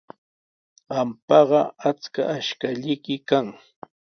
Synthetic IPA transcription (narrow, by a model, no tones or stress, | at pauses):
ɢɑmpɑɢɑat͡ska̰ʔːʃkaʎɪkɪkaŋ